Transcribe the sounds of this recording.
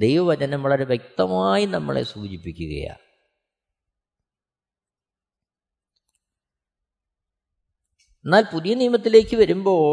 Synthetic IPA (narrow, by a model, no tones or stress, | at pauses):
d̪e̞jʋɐʋɐd͡ʑɐnɐmʋɐɭɐɾeʋjek̚t̪ɐmaːjinɐmːɐ̰ɭḛsuːd͡ʑipːikʲːuɣɐ̰ja̰ː | enːaːlpuðijɐnijmɐt̪ːile̞ːkːɨʋɐɾumbo̞ː